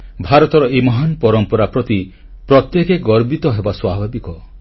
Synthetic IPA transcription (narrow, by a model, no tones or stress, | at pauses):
bʱaɾɔt̪ɔɾɔʔemɔɦanpɔɾɔmpɔɾapɾɔt̪i | pɾɔt̪jekeɡɔɾbit̪ɔɦebaswabʱabikɔ